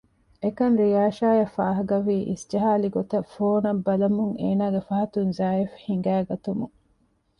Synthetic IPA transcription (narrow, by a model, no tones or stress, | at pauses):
ekɐnɾijaːʃaːjɐfaːɦɐɡɐʋiːʔḭsd͡ʒɐɦaːliɡot̪ɐfoːnɐbːɐlɐmuŋḛːnaːɡefɐɦɐt̪unzaːefhiŋ̆ɡæːɡɐt̪umuŋ